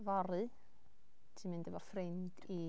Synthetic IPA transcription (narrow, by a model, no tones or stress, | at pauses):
vaɾɨ | tʰimɪndɛvɔrfrendi